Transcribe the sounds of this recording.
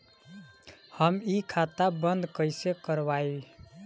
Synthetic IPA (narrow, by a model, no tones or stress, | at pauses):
həmikʰat̪abənd̪kəɪsekəɾβai